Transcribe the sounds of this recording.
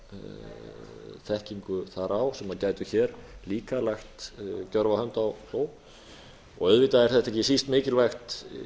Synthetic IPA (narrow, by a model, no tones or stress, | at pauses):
θɛhciŋkʏθaɾawsɛmaðcaːjt̪ʏçɛɾliːkalaxt̪cœɾvahœnt̪awθoːw | ɔɣœðvɪt̪aɛɾ̥θɛht̪ɛcɪsist̪mɪːcɪlvajxt̪